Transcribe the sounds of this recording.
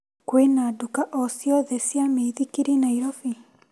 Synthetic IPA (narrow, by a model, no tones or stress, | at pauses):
kwenadukaʔɔsiɔðɛsjameiðikiɾinaiɾɔfi